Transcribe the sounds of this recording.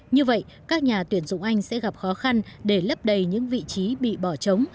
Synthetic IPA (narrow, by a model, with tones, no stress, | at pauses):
ɲɨ˧və̰˧˨j | kaː˦˥k̚ɲaː˨˩t̪wi˧˩ənzʊ̰˧˨wŋ͡mʔa˧jŋ̟sɛ̰˧˥ɣa˨˩p̚xɔ˨˦xa˧nɗe˧˩lə˦˥p̚ɗə˨˩jɲɨ̰˧˥ŋvḭ˧˨t͡ɕi˨˦ɓḭ˧˨ɓɔ˧˩t͡ɕə˨˦wŋ͡m